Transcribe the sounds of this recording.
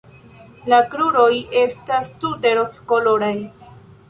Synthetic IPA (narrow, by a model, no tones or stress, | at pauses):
lakɾuɾo̞jʔe̞stastudeɾoskoloɾaj